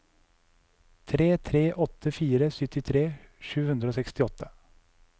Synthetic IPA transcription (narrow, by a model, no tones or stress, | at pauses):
t̪ʰɾeːt̪ʰɾeːʔɔt̪ʰəfiːɾəsʏt̪ɪt̪ʰɾeːʃʉːhʉnd̪ɾəoːsɛkst̪ɪɔt̪ʰːə